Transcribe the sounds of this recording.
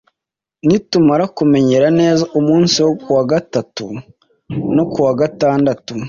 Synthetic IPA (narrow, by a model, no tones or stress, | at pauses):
nitumaɾakume̞ɲe̞ɾane̞ːzaʔumuːnsiwokuwaɡatatu | no̞kuwaɡataːndatu